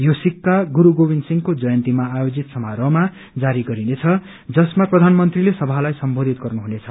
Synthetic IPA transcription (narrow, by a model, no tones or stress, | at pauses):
josikːaɡuɾuɡobinsiŋkod͡zʌjʌnt̪imaːjod͡zit̪sʌmaɾʌma | d͡zaɾiɡʌɾinet͡sʰʌ | d͡zʌsmaprʌd̪ʱanmʌnt̪rilesʌbʱalajsʌmbod̪ʱit̪̚ɡʌrnuɦunet͡sʰʌ